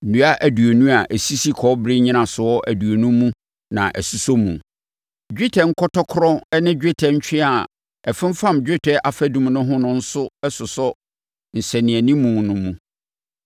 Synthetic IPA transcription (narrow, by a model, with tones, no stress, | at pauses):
nũ˨˦a˦ʔæ˨du˨o˨nũ˦a˨ʔæ˨si˦si˦kʰɔ˨˦bɾɪ˦ɲĩ˦nã˨sʊ˨ɔ˦ʔæ˨du˨o˨nũ˦mũ˦ | nã̰˨ʔæ˨su˦so˦mũ˨ | d͡ʑᶣi˦tʰɛ˨ŋ̩˦kʰɔ˦tʰɔ˦kʰɾɔ˦ɛ˦nɪ̃˦d͡ʑᶣe˦tʰɛ˨ɲ̩˦t͡ɕᶣɪ˦a˨ | ɛ˨fɪ̃˦m˦fã˦md͡ʑᶣe˦tʰɛ˦ʔa˨fæ˦dũ˦m˦nʊ̃˦ɦʊ̃˦nʊ̃˦n̩˦sʊ˦ɛ˦sʊ˨sʊ˦ | n̩˨sæ˨nĩ˨æ˨nĩ˦mũ˨nʊ̃˦mũ˦˨